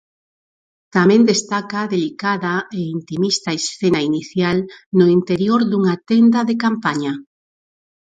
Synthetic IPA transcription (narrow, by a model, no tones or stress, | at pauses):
t̪amẽnd̪est̪akaðelikaðaeint̪imist̪aesθenainiθjalnoint̪eɾjoɾðuŋat̪end̪ɐðekampaɲa